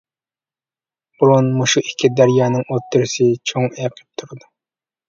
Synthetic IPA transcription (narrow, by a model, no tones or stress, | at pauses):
b̥uɾunmuʃuʔikʲʰːid̪æɾjɑːnɨŋot̪ʰːyɾsɪt͡ʃʰoŋeqʰɨ̥p̚t̪ʰuɾɨd̪u